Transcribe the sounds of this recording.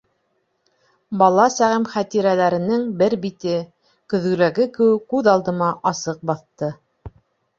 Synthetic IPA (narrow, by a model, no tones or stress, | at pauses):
bɑlˠɑsæʁɘmχæt̪iɾælæɾɘ̆nɘŋbɘɾbit̪ɘ | kɵ̆ðɡɵ̆læɡɘkɘ̆wɘkːʉðɑlˠd̪ɤ̆mɑʔɑsɤq̚bɑθt̪ɤ